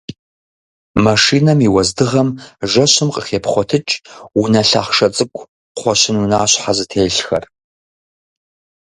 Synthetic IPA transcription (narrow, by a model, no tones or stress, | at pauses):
mɐʂiːnɐmiwɐzdɨʁɐmʒɐɕɪmqʼəχeːpʰχʷɔtʰɨt͡ʃʼunɐɬa̰ːχʂɐt͡sʼɨkʷʼʰ | χʷɔɕɪnunaːɕħazɨtʰeːɬxɐ̰r